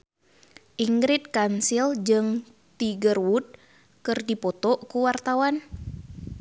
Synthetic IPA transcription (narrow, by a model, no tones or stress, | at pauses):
ʔiŋɡɾit̪̚kansild͡ʒɨŋ | t̪iɡərwud̪̚ | kɨrdipɔt̪ɔʔkuwart̪awan